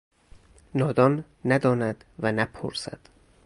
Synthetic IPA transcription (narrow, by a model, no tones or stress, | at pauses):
nɒːd̪ɒːnː | æd̪ɒːnæd̪̥vænæpʰo̰ɾsæ̰d̪̥